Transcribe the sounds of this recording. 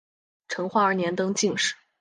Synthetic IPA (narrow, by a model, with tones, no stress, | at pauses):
ʈ͡ʂʰɤ˧˥ŋxwa˥ə˞˧˥njɛ˧˥nt̪ɤ˥ŋt͡ɕi˥˧ŋʂɻ̩˥˨˩